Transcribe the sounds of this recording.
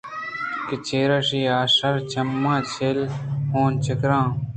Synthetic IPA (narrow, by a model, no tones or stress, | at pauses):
kit͡ɕeːɾɐʂiːaːsɐɾt͡ɕʰɐmːãːt͡ɕʰelhõːnt͡ɕʰɪkɾãː